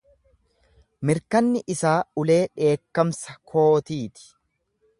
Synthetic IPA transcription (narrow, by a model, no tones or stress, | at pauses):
mɪɾkɐnːɪʔɪsaːʊle̞ːᶑe̞ːkːɐmsɐ̥kʰo̞ːt̪iːt̪ɪ̥